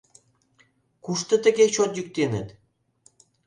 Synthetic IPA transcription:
kuʃt̪ə̆t̪ə̆ɡʲeɕot̪jyk̚t̪enə̰̆t̪

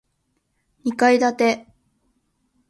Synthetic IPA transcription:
ɲikaid̪at̪e̞

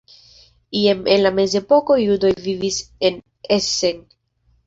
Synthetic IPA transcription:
iamenlame̞ze̞po̞ko̞judo̞jvivise̞n | ese̞n

